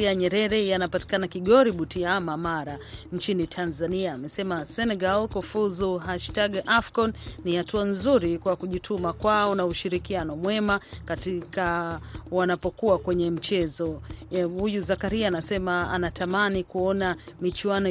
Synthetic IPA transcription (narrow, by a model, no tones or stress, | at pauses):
iaɲɛɾɛɾɛjanapati̥kanakiɠɔɾiɓutiamamaɾaɲt͡ʃinitʰanzaniaːmɛsɛmasɛnɛɡalkɔfuzuɦaʃtaɡafkɔnːihatuanzuɾikwakuʄitʰumakwaɔnauʃiɾikianɔmwɛmakatikawanapɔkuakwɛɲɛm̩t͡ʃɛzɔhujuzakaɾiaːnasɛmaa̰natʰamanikuɔna | mit͡ʃuwanɔ